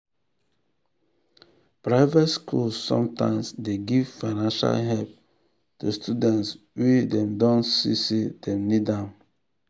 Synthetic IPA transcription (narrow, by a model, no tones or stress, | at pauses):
pɹaɪvɛtskʰulsːɔ̰̃mtã̰ɪ̃msdeɡiv̥faɪnãnʃa̰lɦɛlp̚ | tustʰudɛ̃nts | wedɛ̃mdɔ̃nsḭsedɛ̃mnidãʊn